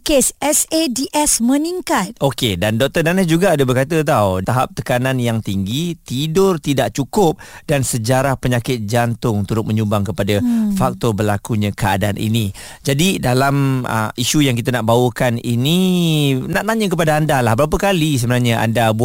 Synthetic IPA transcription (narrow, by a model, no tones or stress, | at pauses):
kesɛsediʔɛsmə̃niŋkat̪̚okedandɔk̚t̪ərdanasd͡ʒuɡaːdəbərkat̪ət̪̬awt̪aɦap̚t̪əkananjaŋt̪iŋɡit̪idʊrt̪idaʔ̚t͡ʃukʊp̚dansəd͡ʒaɾahpəɲakɪt̪̚d͡ʒant̪ʊŋt̪uɾʊt̪̚məɲumbaŋkəpadafak̚t̪ɔbərlakuɲãkəa̰daanʔḭni | d͡ʒadidalamə̰iʃujaŋk̬it̪̬anaʔbawəkanini | naʔt̪aɲə̃kəpadaandalahbəɾap̬əkalis̬əbənarɲəʔa̰ndabu